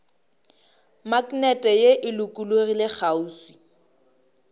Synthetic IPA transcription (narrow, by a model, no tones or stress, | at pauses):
maknɛtʼɛjeʔɪlʊkʼulorilɪk͡xʰauːswi